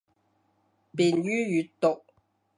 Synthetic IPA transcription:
piː˨nɥyː˥jy˨˥tt̪ʊ˨k̚

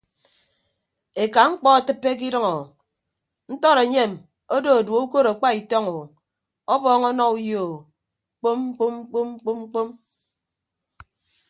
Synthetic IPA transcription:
e˨ka˨ŋ͡m̩˦k͡pɔ˦a˨tɨ˦pːe˦k̬i˦dɨ˦ŋɔ˨ | n̩˦tɔ˦ɾe˨ɲe˦˨m | o˦do˦o˨dwo˨˦u˦ko˦ɾa˨k͡pa˦i˨tɔ˦ŋo˨ | ɔ˦bɔː˦ŋɔ˦nɔ˦u˦jo˨˦ | k͡po˦m̩˦k͡po˦m̩˦k͡po˦m̩˦k͡po˦mŋ͡m̩˦k͡po˦m

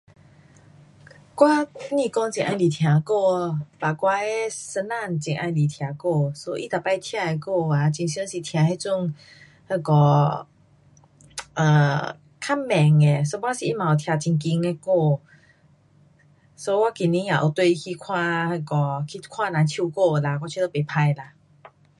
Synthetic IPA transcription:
kwa˦nĩ˧˨kɔ˧ŋt͡ɕĩ˨˩ʔã˧jli˨˩t̪ʰjã˨˧˩ko˥˧ba˨˩kwa˧e˦sə˧na˥˧˨nt͡ɕĩ˨˩ŋʔã̰˧jli˨˩t̪ʰjã˨˧ko˧˨so˦ʔḭ˧t̪a˨˩pa˧˨jt̪ʰja˧e˧ko˥˧a˨t͡ɕi˧ŋɕjə˧˦si˨˩t̪ʰj̃ã˧he˧˦t͡su˥˧˨ŋ | ha˧kɔ˧˩ | ʔə˨˩ | kʰa˦˥˨mːɛ̃˨˩ŋe˨˩s̬o˦bwa˦si˨i˧˥mã˨o˨˩t̪ʰja˧t͡ɕi˧ŋki˧ŋe˧ko˥˧ | so˧˦wa˦ki˨nĩ˧˦jã˨ʔo˨˩t̪we˧i˧kʰi˧kʰwã˧ha˧˩kɔ˧˩kʰi˧kʰwã˧˨nã˨˧t͡ɕʰju˧ko˥˧˨la˧kwa˧t͡ɕʰi˧ə˧pe˨pʰa˧jla˧˩

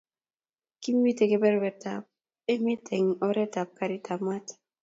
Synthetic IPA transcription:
ki˦m˦wi˦te˨ke˦bɛ˦ɾwɛ˨ta˨p̚ | e˦mi˦tʰe˨ŋɔ˦ɾɛ˦ta˨p̚kaɾi˦tʰa˨ma˦t

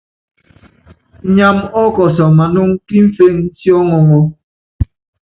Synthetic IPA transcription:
ɲa˦mɔ˦kɔ˨sɔ˨ma˨nu˦ŋ˦ki˦m̩˦fe˦ŋn̩˦tjɔ˦ŋɔ˨ŋɔ˦

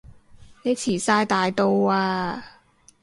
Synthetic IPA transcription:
ne˨˧jt͡sʰiː˨˩saː˧jt̪aː˨jt̪o˧waː˧

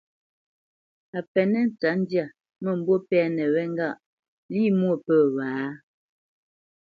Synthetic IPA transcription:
a˨pɛ˨nɛ˦n̩˨t͡sa˨˦n̩˦dja˨ | mə˦˨m̩˦bwo˦pɛ˦nɛ˨wɛ˦ŋ˦ɡa˦˨ʔ | li˦mwo˨pə˦˨waː˨˦

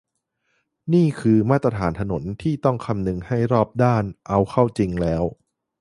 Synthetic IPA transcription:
niː˥˩kʰɯː˧maː˥˩t̪ːɾa˧t̪ʰaː˩˦nt̪ʰa˧no˩˦nt̪ʰiː˥˩t̪ɔ˥˩ŋkʰa˧mnɯ˧ŋha˥˩jɾɔː˥˩p̚daː˥˩nʔa˧wkʰa˥˩wt͡ɕi˧ŋlɛː˦˥w

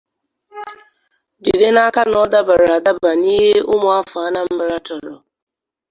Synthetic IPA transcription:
di˨de˦na˦ka˦nɔ˦da˦ba˨ɾa˨da˦ba˨niː˦ɦe˦ʔʊ˦mʊ˨a˦fʊ˨a˦na˦m̩˦mɪ˦ɾa˦tɔ˨ɾɔ̰˨

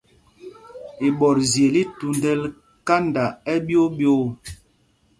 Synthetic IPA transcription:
i˨ɓɔ˨ɾzje˨li˦tu˨ndɛ˦l | ka˦nda˨ɛ˦bjo˦bjo˦

